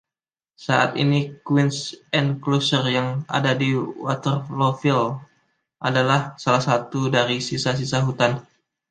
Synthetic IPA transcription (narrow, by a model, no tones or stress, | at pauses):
saʔa̰t̪ḭnikwinsɛnklosərjaŋa̰dadiwat̪ərlofil | ʔadalahsalahsat̪udaɾisisas̬isaɦut̪an